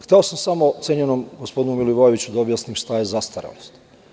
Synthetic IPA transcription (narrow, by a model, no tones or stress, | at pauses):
xt̪eosamsamo̞t̪sjeɲenomɡospd̪inumiliʋojeʋit͡ɕud̪aobjasnimʃt̪ajezast̪aɾḛlost̪